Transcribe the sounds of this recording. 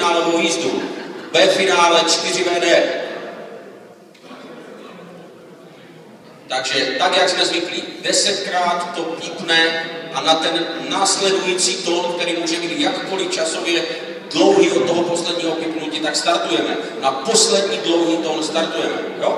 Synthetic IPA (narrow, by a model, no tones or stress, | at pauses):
aːlɛmɔjiːzd̪uvɛfinaːlɛt͡ʃt̪irivɛːd̪ɛ | t̪aɡʒɛt̪aɡjaɡzmɛzviklid̪ɛsɛc̪kɾaːt̪ːɔtipnɛʔanat̪ɛnːaːslɛd̪ujiːt͡siːt̪ɔnk̚t̪ɛɾiːmuːʒɛmiːɟ̪jakkːɔlift͡ʃasɔvjɛ | d̪loʊɦiːɔd̪̚t̪ːɔɦɔpɔslɛd̪ɲiːɦɔpipnuciːt̪akst̪aɾt̪ujɛmɛ̰ | napɔslɛd̪ɲiːd̪loʊɦiːt̪ɔnst̪aɾt̪ujɛmɛ̰jo